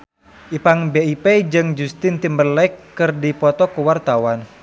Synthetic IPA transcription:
ʔipaŋbeiped͡ʒɨŋd͡ʒust̪ɪnt̪imbərlɛkːɨrdipɔt̪ɔkuwart̪awan

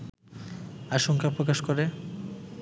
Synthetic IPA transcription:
aʃoŋkʰapɾokaʃkoɾe

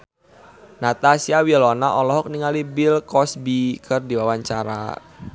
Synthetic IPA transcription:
nat̪asiawiɔlɔnaʔɔlɔɦɔk̚niŋalibɪlkɔsbikʰɨrdiwawaɲt͡ʃaɾa̰

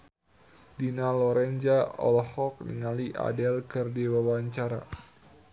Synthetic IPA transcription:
dinalɔɾɛnd͡ʒaɔ̰lɔhɔk̚nḭŋaliʔa̰dɛlkɨrdiwawaɲt͡ʃaɾa̰

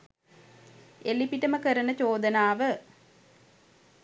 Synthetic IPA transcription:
elipiʈəməkəɾənət͡ɕoːd̪ənaːʋə

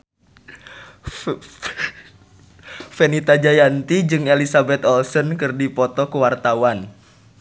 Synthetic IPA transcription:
fɛnit̪ad͡ʒajant̪id͡ʒɨŋelisabɛt̪ɔlsɔnkɨrdipɔt̪ɔkuwart̪awan

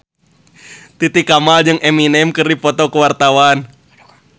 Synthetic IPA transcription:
t̪it̪ikamald͡ʒɨŋʔɛminɛmkɨrdipɔt̪ɔkəwart̪awan

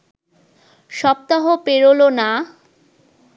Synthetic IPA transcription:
ʃɔp̚t̪aɦopeɾolona

